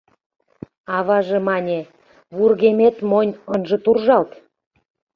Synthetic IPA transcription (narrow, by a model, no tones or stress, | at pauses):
ɑβɑʒĕmɑnʲe | βurɣemet̪monʲənʒɤ̆t̪urʒɑlt̪